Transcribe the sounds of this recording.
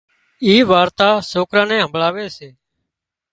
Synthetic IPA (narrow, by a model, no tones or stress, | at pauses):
iːʋaːɾt̪aːsoːkɾãːnɛ̃ːɦəmblaːʋeːseː